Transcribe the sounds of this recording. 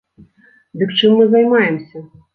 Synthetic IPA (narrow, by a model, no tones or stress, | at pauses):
d̪ɨkt͡ʂɨmːɨzajmajɛmsʲɐ